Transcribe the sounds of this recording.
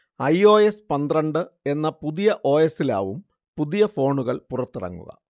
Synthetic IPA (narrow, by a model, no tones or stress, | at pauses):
ɐjo̞ːespɐnd̪rɐɳɖɨe̞nːɐpuðijɐʔo̞ːjesila̰ːʋum | puðijɐfo̞ːɳuɣɐɭpurɐt̪ːirɐ̰ŋːṵɣɐ̰